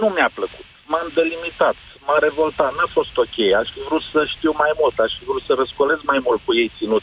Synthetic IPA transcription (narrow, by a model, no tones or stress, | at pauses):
numapləku̥t̪mamd̪e̞limit̪at̪ | maɾe̞vo̞lt̪at̪nafo̞st̪o̞kʲe̞jaʃfivɾut̪səʃt̪iwmajmult̪aʃfivɾut̪səɾəskole̞smajmult̪̚kuje̞jt̪sinut̪